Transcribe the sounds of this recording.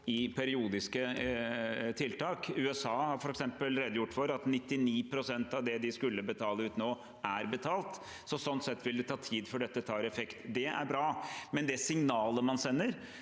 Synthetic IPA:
ɪpʰæɾɪuːd̪ɪskə | t̪ʰɪlt̪ɑːkʉːɛsɑːhɑɾfɔɾɛksɛmpəlɾɛːd̪əjʊʈːfɔɾɑt̪nɪt̪ːɪniːpʰɾʊsɛnt̪ɑʋd̪ɛd̪ɪskʉlːəbət̪ʰɑːləʉːt̪noː | ʔæɾbət̪ʰɑːlt̪ | sɔsɔnt̪sɛt̪ːʋɪld̪ɛt̪ʰɑːt̪ʰiːd̪fɔɖɛt̪ːət̪ʰɑːɾɛfɛkt̪d̪ɛʔæ̰ɾbɾɑːmɛnd̪ɛsɪŋnɑːləmɑnsɛnːəɾ

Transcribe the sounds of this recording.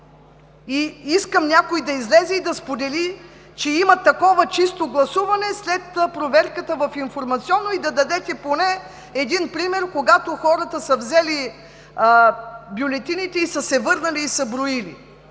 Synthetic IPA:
iiskəmnʲakoid̪ɐizlɛzɛid̪ɐspod̪ɛli | t͡ʃɛimɐt̪ɐkɔvɐt͡ʃist̪oɡlˠɐsuvɐnɛslɛt̪pɾovɛɾkət̪əvɐfinfoɾmɐt̪siɔnːoid̪ɐd̪ɐd̪ɛt̪ɛponɛ | ɛd̪inpɾimɛɾkoɡat̪oxɔɾət̪əsəvzɛli | bʲjʊlɛt̪init̪ɛisəsɛvɤɾnɐliːsəbɾoilḭ

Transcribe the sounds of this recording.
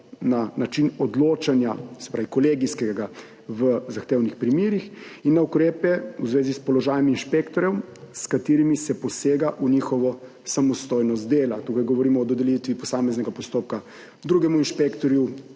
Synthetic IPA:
nanat͡ʃinɔd̪loːt͡ʃanjasɛ̥pɾaːʋikɔleːɡiskɛɡa | ʋəzaxt̪eːwnixpɾimiːɾixinːaukɾeːpɛuzʋeːzispɔlɔʒaːjɛminʃpekt̪ɔɾjɛw | skat̪iːɾimisɛpɔseːɡaʔunixɔʋɔ | samɔst̪oːjnɔst̪̚d̪eːlat̪ukajɡɔʋɔɾiːmɔːd̪ɔd̪ɛljit̪ʋipɔsaːmɛznɛɡapɔst̪oːp̚ka | d̪ɾuːɡɛmuinʃpekt̪ɔɾju

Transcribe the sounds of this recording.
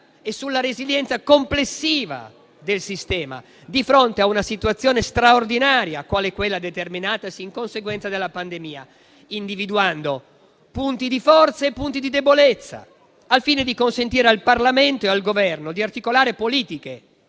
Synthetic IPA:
esːulːaɾeziljɛnt̪sakomplesːiːva̰ | d̪elsist̪ɛːma̰ | d̪ifɾont̪eaunasit̪uat̪sːjoːnest̪ɾaord̪inaːɾja̰kwaːlekwelːad̪et̪erminaːt̪asiːŋkonseɡwɛnt̪sad̪elːapand̪emiːa̰ | ind̪ivid̪uand̪o | punt̪id̪ifɔrt̪saepːunt̪id̪id̪ebolet̪sːa̰ | alfiːned̪ikonsent̪iːɾealparlament̪oealɡovɛrnod̪iart̪ikolaːɾepoliːt̪ike

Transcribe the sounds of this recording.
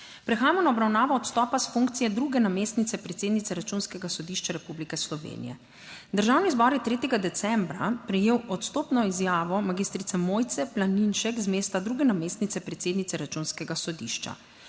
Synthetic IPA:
pɾɛxaːjamɔnaɔbɾawnaːʋɔːt̪st̪ɔːpasfuŋk̚t̪sijɛd̪ɾuɡɛnameːst̪nit̪sɛpɾɛt̪seːd̪nit̪ɛɾat͡ʃunskɛɡasɔd̪iʃt͡ʃaɾɛpublikɛslɔʋḛːnḭjɛ̰ | d̪əɾʒawniːzbɔɾjɛt̪ɾeːt̪ɛɡad̪ɛt̪sɛmbɾapɾɛjeːwʔɔt̪st̪oːpnɔizjaːʋɔmaɡist̪ɾit̪sɛmojt̪sɛplaninʃɛkzmeːst̪ad̪ɾuːɡɛnameːst̪nit̪sɛpɾɛt̪seːd̪nit̪sɛɾat͡ʃunskɛɡasɔd̪ḭʃt͡ʃa̰

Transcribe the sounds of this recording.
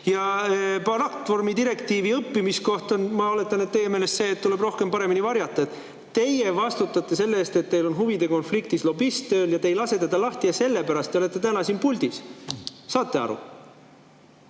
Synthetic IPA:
jɑpɑɾɑkt̪ːvo̞rmid̪iɾe̞kt̪iːviɤpːimisko̞ht̪onmɑo̞le̞t̪ːˑɑnet̪t̪e̞jemeːle̞st̪se̞ːt̪ːule̞bro̞hke̞mpɑɾe̞minivɑɾjɑt̪ːˑɑet̪ | t̪ːe̞jevɑst̪ut̪ːˑɑt̪ːˑe̞se̞lːeeːst̪e̞t̪ːe̞jlo̞nɦuvid̪e̞ko̞nflik̚t̪islo̞bist̪ːø̞ːljɑt̪e̞jlɑse̞t̪ed̪̥ɑlɑht̪iɑse̞lːepæɾɑst̪ːeo̞le̞t̪ːˑe̞t̪ænɑsiːnpuld̪is | sɑːt̪ːe̞ɑ̰ɾṵ

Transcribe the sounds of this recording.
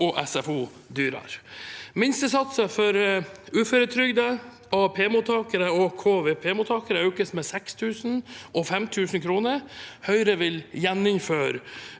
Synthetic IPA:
ɔʔɛsɛfuː | d̪yːɾɑ̰ɾmɪnst̪əsɑt̪səfɔɾʉːføːɾət̪ʰɾʏɡd̪ə | ɔpʰeːmuːt̪ʰɑːkəɾəɔkʰoːʋeːpʰeːmuːt̪ʰɑːkəɾəœʉkəsmɛːsɛkst̪ʰʉːsn̩ʔɔfɛmt̪ʰʉːsn̩kʰɾuːnəɾhœʏɾəʋɪljɛnɪŋføːɾ

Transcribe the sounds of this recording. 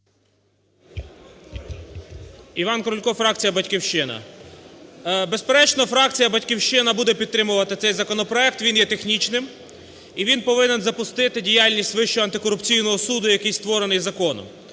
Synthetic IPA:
iʋɑnkɔɾʊlʲkɔfɾɑk̚t͡sʲijɐbɐtʲkʲiwʃɪnɐ̰ | bespeɾɛt͡ʃnɔfɾɑk̚t͡sʲijɐbɐtʲkʲiwʃt͡ʃɪnɐbud̪ɛpʲid̪̚t̪ːɾɪmʊʋɐt̪ɪtsɛjzɐkɔnɔpɾɔɛk̚t̪ʋʲinjɛt̪exnʲit͡ʃnɪm | iʋʲinpɔʋɪnenzɐpʊst̪ɪt̪ɪdʲijɑlʲnʲisʲtʲʋɪʃt͡ʃʊɐnt̪ɪkɔɾʊpt͡sʲijnɔɦɔsud̪ʊjɐkɪjst̪ʋɔɾenɪjzɐkɔnʊ̰

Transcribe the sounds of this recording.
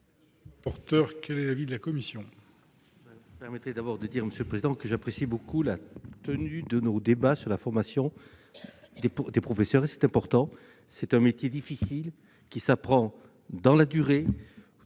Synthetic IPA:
pɔʁt̪œʁkʲɛlɛlavid̪əlakɔmisjɔ̃ | bɛpɛʁmɛt̪χed̪abɔʁd̪əd̪iʁməsjøləpχezid̪ɑ̃kəʒapχesibokulat̪ənyd̪ənod̪ebasyʁlafɔʁmasjɔ̃ | d̪ed̪epχɔfesœʁesɛ̥t̪ɛ̃pɔʁt̪ɑ̃ | sɛt̪ɛ̃met̪jed̪ifisil | kʲisapχɑ̃ | d̪ɑ̃lad̪yʁe

